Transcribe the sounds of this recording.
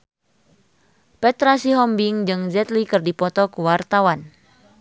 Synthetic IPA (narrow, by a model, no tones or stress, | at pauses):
pɛt̪ɾasiɦɔmbiŋd͡ʒɨŋzɛt̪likɨrdipɔt̪ɔkuwart̪awan